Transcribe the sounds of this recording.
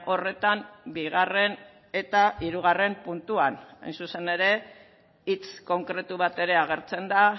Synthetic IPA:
o̞re̞t̪ambiɣ̞are̞n | e̞t̪aʔiɾuɣ̞are̞mpunt̪uana̰jnsuse̞ne̞ɾe̞ | it͡sko̞ŋkɾe̞t̪uβ̞at̪e̞ɾe̞aɣ̞e̞ɾt͡se̞nd̪a

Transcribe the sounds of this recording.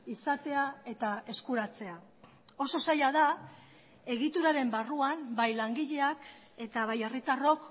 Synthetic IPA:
isat̪e̞ae̞t̪ae̞skuɾat͡se̞a | o̞so̞sajaða | e̞ɣit̪uɾaɾe̞mbaruambajlaŋɡiʎe̞ak | e̞t̪aβ̞aje̞rit̪aro̞k

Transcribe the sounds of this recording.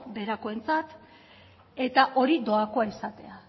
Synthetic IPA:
be̞ɾako̞e̞nt͡sat̪ | e̞t̪aʔo̞ɾid̪o̞ako̞aisat̪e̞a

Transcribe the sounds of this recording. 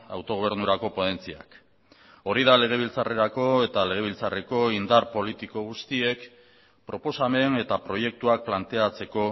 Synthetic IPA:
a̰wt̪o̞ɣ̞o̞β̞e̞ɾnuɾako̞po̞ðe̞nt͡sia̰k | o̞ɾið̞ale̞ɣ̞e̞β̞ilt͡sare̞ɾako̞e̞t̪ale̞ɣe̞β̞ilt͡sare̞ko̞ind̪aɾpo̞lit̪iko̞ɣ̞ust̪ie̞k | pɾo̞po̞same̞ne̞t̪apɾo̞je̞k̚t̪uak̚plant̪e̞at͡se̞ko̞

